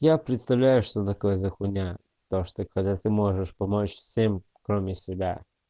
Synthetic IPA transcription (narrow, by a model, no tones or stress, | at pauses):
japɾʲɪt̪st̪ɐvlʲajʊʂt̪ot̪ɐkojəzɐxʊnʲa | t̪oʂt̪ɔxɐtʲat̪ɨmoʐəʂpɐmot͡ɕfsʲem | kɾomʲɪsʲɪbʲa̰